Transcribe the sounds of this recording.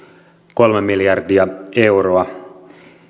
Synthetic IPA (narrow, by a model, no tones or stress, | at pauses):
ko̞lmemiljɑrdiɑe̞wɾoɑ